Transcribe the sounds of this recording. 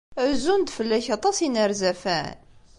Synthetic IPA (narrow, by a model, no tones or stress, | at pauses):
ɾzund̪fəlːæçɑt̪ˤɑsinəɾzæfæ̰n